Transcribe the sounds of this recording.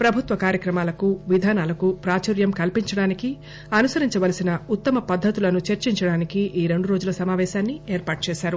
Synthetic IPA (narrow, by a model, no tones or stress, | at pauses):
pɾɐbʱut̪ʋɐkaːɾjɐkɾɐmaːlɐkuʋid̪ʱaːnaːlɐkupɾaːt͡ʃɐɾjɐmkɐlpiɲt͡ʃɐɽaːniki | ɐnusɐɾiɲt͡ʃɐʋɐlɐsinɐut̪ːɐmɐpɐd̪ʱːɐt̪ulɐnut͡ʃɐɾt͡ʃiɲt͡ʃɐɽaːnikiʔiːɾe̞ɳɖuɾo̞ːd͡ʒulɐsɐmaːʋɛːʃaːnːieːɾpaːʈ̚t͡ʃɛːʃaːɾu